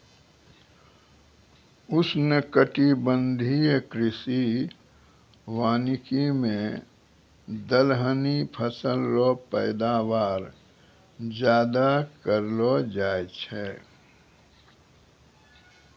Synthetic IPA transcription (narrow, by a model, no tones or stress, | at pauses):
ʊsnəkəʈibə̃nd̪ʱikɾɪsi | waːnɪkimẽ | d̪əlɦənipʰəsəlːopɛɪd̪aːwaːɾ | d͡ʒjaːd̪akəɾlod͡ʒaːjt͡ʃʰɛː